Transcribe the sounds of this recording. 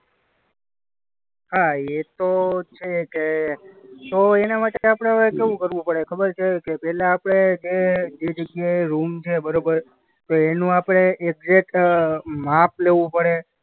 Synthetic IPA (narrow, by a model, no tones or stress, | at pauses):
ɦaet̪ot͡ʃʰeke | t̪oenamaʈeeapəɽ̃eəʋekeʋũkəɾʋũpəɽekʰəbəɾt͡ʃʰekepɛɦlaːpɽ̃ed͡ʒed͡ʒed͡ʒəɡjaeɾumt͡ʃʰebəɾobəɾ | t̪oenũapɽ̃eek̚d͡ʒeʈ | map̚leʋũpəɽe